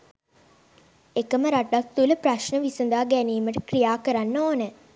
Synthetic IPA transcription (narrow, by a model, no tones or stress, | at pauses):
ekəməɾaʈːak̚t̪uləpɾɐʃnəʋisund̪aːɡæniːməʈəkrijaːkəɾanːoːnə